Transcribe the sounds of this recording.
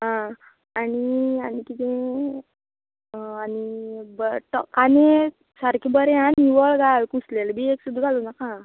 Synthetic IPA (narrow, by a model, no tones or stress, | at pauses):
ɦã | aɽ̃ianikit̪ẽ | anibəʈɔkane | saɾkʰibəɾẽaniʋɔɭɡalkuslelbieksud̪ːɡalunakã